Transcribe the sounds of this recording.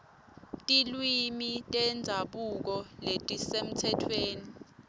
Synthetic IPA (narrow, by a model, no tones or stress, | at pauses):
tʼilwimitʼɛnd͡zʱaɓuk̬ɔletʼisem̩tʰɛtʰweːni